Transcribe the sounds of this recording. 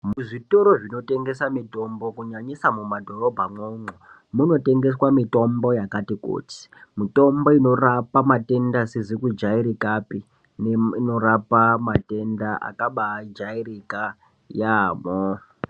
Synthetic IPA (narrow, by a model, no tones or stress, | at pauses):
muʐitoɾoʐino̞te̞ŋɡe̞samito̞mbokuɲaɲisamumadʱo̞ro̞bʱaŋoːŋo | muno̞te̞ŋɡe̞swamito̞mbo̞jakatiko̰t͡si̥mito̞mbo̞ino̞rapamate̞ndasezikud͡ʒaiɾikapi | neino̞rapamate̞ndaa̰kaɓad͡ʒairika | jaːmo